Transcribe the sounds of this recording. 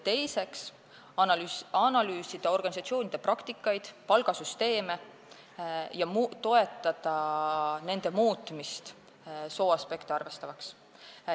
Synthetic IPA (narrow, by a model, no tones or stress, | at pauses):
t̪e̞jse̞ks | ɑnɑlyːsid̪̥ɑo̞rɡ̥ɑnis̬ɑt̪sio̞ːnʲid̪̥e̞prɑkt̪ikːˑɑjd̪̥pɑlɡ̥ɑsyst̪e̞ːme̞ | jɑmt̪ːo̞e̞t̪ːˑɑd̪̥ɑne̞nd̪̥e̞muːt̪ˑmist̪ | so̞ːɑspe̞kt̪eɑrve̞st̪ɑvɑks